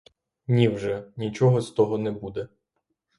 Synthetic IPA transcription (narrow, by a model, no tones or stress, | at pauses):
nʲiwʒɛnʲit͡ʃɔɦɔst̪ɔɦɔnɛbud̪ɛ